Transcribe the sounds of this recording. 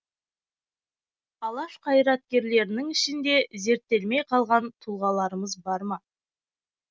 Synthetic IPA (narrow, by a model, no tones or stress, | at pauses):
ɑlˠɑʃqʰɑjɾɑt̪̚kʲe̞ɾle̞ɾɪnɪŋɪʃɪnd̪e̞ze̞ɾt̪ːe̞lme̞jqʰɑlˠʁɑnt̪ʰulˠʁɑlˠɑɾəməzbɑɾmɑ